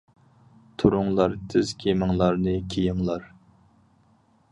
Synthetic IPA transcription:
t̪ʰʊɾʊŋlˠɑɾt̪ʰɪz̥kʲʰemɪŋlˠɑɾnɨkʲʰijɪŋlˠɑɾ

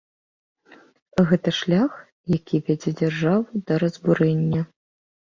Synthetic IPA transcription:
ɣɛt̪ɐʂlʲax | jakʲʰivʲɛd͡zʲɛd͡zʲarʐavud̪ɐɾɐzbuɾɛnʲːɐ

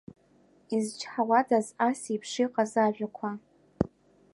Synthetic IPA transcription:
izt͡ʃʰħawadazasipʰʂiqʼazaʒʷᶣakʷʰa

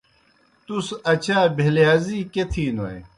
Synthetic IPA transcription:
t̪usɐt͡ɕaːbʱeljaːziːket̪ʰiːnoe

